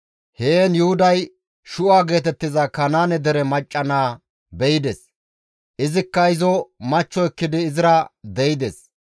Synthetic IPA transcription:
heːnjʊhʊd̪ɐj | ʃʊʔaːɡe̞ːt̪ɛt̪ːɪzɐkɐnaːnɛd̪ɛɾɛmɐt͡ʃʼːɐnaː | bɛjɪd̪ɛs | ʔɪzɪkːɐɪzɔmɐt͡ʃːɔɛkːɪd̪ɪːzɪɾɐd̪ɛjɪd̪ɛs

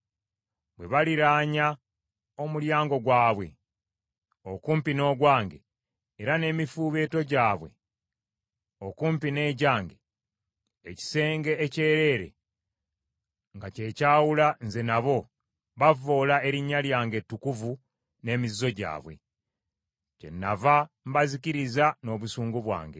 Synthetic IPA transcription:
bwe̞βaliɾaːɲa | o̞muljaːŋɡo̞ɡwaːβwe̞̰ | okuːmpino̞ːɡwaːŋɡeː | ɾane̞ːmifuːβe̞ːto̞ɟaːβwe̞̰ | okuːmpine̞ːɟaːŋɡeː | ci̥se̞ːŋɡe̞ːce̞ːɾe̞ːɾe̞̰ | ŋɡace̞ːcaːwulanze̞naβo̞ | βavo̞ːlae̞ɾiɲːaljaːŋɡe̞tːukuvu | ne̞ːmizːo̞ɟa̰ːβwe̞̰ | ce̞̰nːava | mbaziciɾizano̞ːβusuːŋɡuβwa̰ːŋɡe̞̰

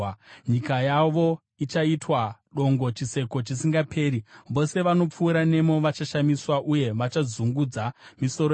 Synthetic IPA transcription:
ɲikajaʋo̞ | it͡ʃaitwaɗo̞ŋɡo̞t͡ʃise̞ko̞t͡ʃisiŋɡapʰe̞ːɾiʋo̞se̞ʋano̞p͡fuːɾane̞mo̞ʋat͡ʃaʃamiswaʔuje̞ʋat͡ʃazuŋɡud͡zamiso̞ɾo

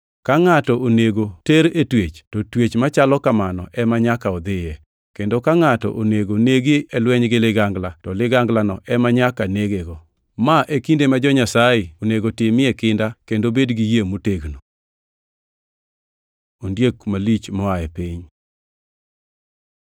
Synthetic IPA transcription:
kaŋatɔoneɡoteɾetwet͡ʃtɔtwet͡ʃmat͡ʃalɔkamanɔ̰ʔɛmaɲakaɔd̪ɪjɛ | kendokaŋatɔ̰ʔoneɡoneɡɪɛlwɛɲɡɪlɪɡaŋɡlatɔlɪɡaŋɡlanɔʔɛmaɲakaneɡeɡɔ | maʔekindemad͡ʒɔɲasajɪoneɡotɪmɪɛkɪndakendobedɡijemuteɡno | ondjekmalit͡ʃmɔaɛpiɲ

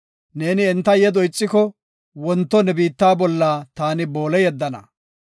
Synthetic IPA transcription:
ne̞ːnɪɛnt̪ːɐjɛd̪ɔjt͡sʼːɪkɔ | wɔnt̪ːɔnɛbiːt̪ːaːbɔlːaːt̪aːnɪboːlɛjɛd̪ːɐnɐ̰

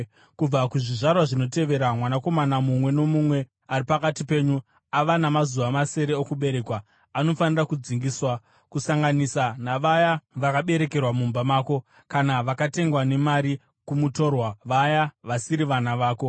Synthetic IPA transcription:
kub͡vakuʐiʐarwaʐino̞te̞ʋe̞ɾamwanako̞manamumwe̞no̞mumwe̞ | aɾipakatipe̞ːɲu | aʋanamazuʋamase̞ɾe̞okuɓe̞ɾe̞kwaː | no̞fanirakud͡ziŋɡiswa | kusaŋɡanisanaʋajaʋakaɓe̞ɾe̞ke̞rwamumbamaːko̞ | kanaʋakate̞ŋɡwane̞maɾi | kumuto̞rwaʋajaʋasiɾiʋanaʋaːko̞

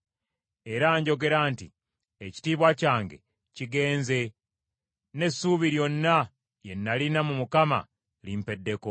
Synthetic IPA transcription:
e̞ɾaːɲɟo̞ɡe̞ɾaːnti | eci̥tiːβwacaːŋɡe̞̰ | ciɡe̞ːnze̞ | ne̞sːuβiɾjo̞nːa | je̞nːalinamumukama̰ | limpe̞dːe̞ko

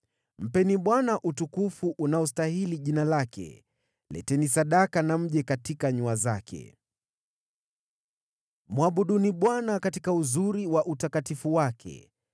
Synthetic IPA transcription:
m̩pɛniɓwanaʔutukufuʔunaɔstahiliʄinalakʰɛ̰ | lɛ̰tɛnisaɗakanam̩ʄɛkatikaɲuazakʰɛ̰ | mwaɓuɗuniɓwanakatikauzuɾiwaʔutakatifuwakʰɛ̰

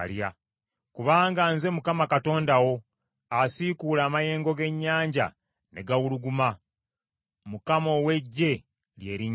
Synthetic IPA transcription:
lja̰ | kuβaːŋɡanze̞mukamakato̞ːndawo̞ | asikulaːmaje̞ːŋɡo̞ɡe̞ɲːaːɲɟa̰ | ne̞ɡawuluɡuma | mukamo̞we̞ɟːe̞ | lje̞ːɾi

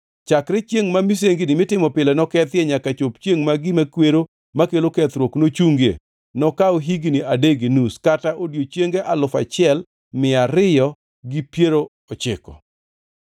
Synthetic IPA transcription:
t͡ʃakɾɛt͡ʃjeŋmamis̬eŋɡinɪmɪtɪmɔpɪlɛnɔkɛt̪jɛɲakat͡ʃopt͡ʃjeŋmaɡɪmakweɾo | makelokɛt̪ɾwoknot͡ʃuŋɡḛ | nɔkaoɦiɡiniadeɡinuskataʔodjot͡ʃjeŋɡeʔalʊfa̰t͡ʃɪɛl | mɪaɾɪjɔ | ɡipjeɾo | ɔt͡ʃɪ̰kɔ̰

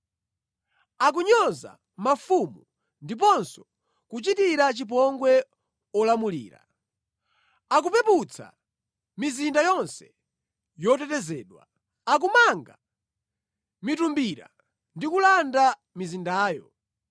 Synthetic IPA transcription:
ak̬uɲɔza̰ | mafumu | ndip̬ɔnsɔ̥ | kut͡ʃitiɾat͡ʃip̬ɔŋɡwɛ | ɔlamulḭːɾa̰ | ak̬upɛput͡sʰa̰ | mizindajɔnsɛ̥ | jɔtɛtɛzɛːɗwa̰ | ak̬umaŋɡa | mitumbiɾa̰ | ndikulanda | mizindaːjɔ̰

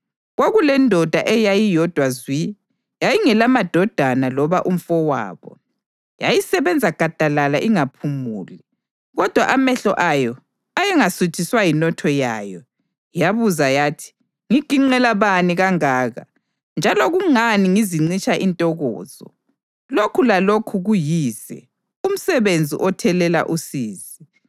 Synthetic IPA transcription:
ɣoɣulɛndʱɔd̥ʱaʔɛjajijɔd̥ʱwazwi | jajiŋɛlamad̥ʱɔd̥ʱanalɔβaʔum̩fɔwa̰ːβɔ̰ | jajisɛβɛnd͡zʱaɡ̥ʱad̥ʱalalaʔiŋapʰumṵːli | ɣɔd̥ʱwa̰ʔamɛɬɔʔajɔ | ajɛŋasut͡ʃʰiswajinɔtʰɔjaːjɔ | jaβuzajaːtʰi̥ | ŋiɡ̥ʱiŋ͡ǀɛlaβaniɣaŋaːɣa̰ | nd͡ʒʱalɔɣuŋaniŋiziŋ͡ǀit͡ʃʼaʔintʼɔɣɔ̰ːz̥ɔ̰ | lokʰulalokʰuɣujiːzɛ̰ | um̩sɛβend͡zʱḭʔɔtʰɛlɛla̰ʔusiːzi

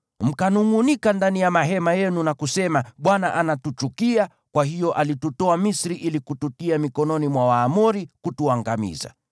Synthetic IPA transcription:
m̩kanuŋunikandanijamaɦɛmajɛnunakusɛmaɓwanaʔanatut͡ʃukia | kwahijɔʔalitutɔamisɾiʔilikututiamikɔnɔnimwawaːmuɾikutuaŋɡamḭza̰

